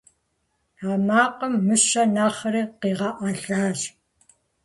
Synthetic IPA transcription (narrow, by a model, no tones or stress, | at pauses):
amaːqəmːɨʃɐnaːχriqeʁɑʔaɮaːʒ